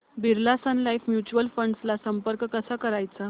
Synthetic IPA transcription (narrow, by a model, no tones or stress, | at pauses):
bʱiɾlasanlajfmjut͡ɕuəlfəɳɖslasəmpəɾkkəsakəɾajt͡sa